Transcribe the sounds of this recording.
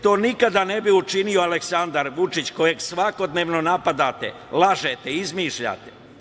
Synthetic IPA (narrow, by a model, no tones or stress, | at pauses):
t̪o̞ːnikad̪ane̞biut͡ʃinioaleksand̪aɾʋut͡ʃit͡ɕko̞je̞ɡsʋako̞d̪ne̞ːʋno̞napad̪aːt̪ḛ | lˠaʒet̪eizmiːʃʎa̰ːt̪e